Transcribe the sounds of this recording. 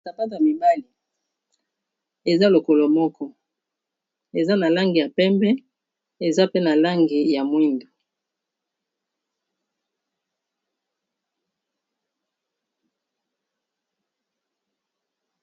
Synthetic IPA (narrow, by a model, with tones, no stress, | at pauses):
a˨pa˦ta˨mi˨ba˦li˨ | e˨za˦lo˨ko˨lo˨mɔ˦kʰɔ˦ | e˨za˦na˨la˦ŋɡi˨ja˨pɛ˦mbɛ˦ | e˨za˦pe˦na˨la˦ŋɡi˨ja˨mwi˦ndu˨